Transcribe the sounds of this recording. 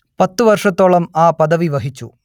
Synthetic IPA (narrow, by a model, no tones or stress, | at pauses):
pɐt̪ːɨʋɐrʂɐt̪ːoːɭɐmaːpɐd̪ɐʋiʋɐɦit͡ɕːṵ